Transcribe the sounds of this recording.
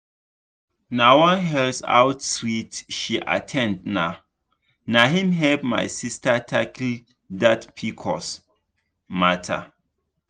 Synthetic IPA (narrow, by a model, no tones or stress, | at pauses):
nawãnɦɛlsa̰wtswitʃiʔa̰tʰɛ̃ndna | naɦĩmɦɛbma̰jsistatʰaki | datpʰikʰɔ̰s | matʰa̰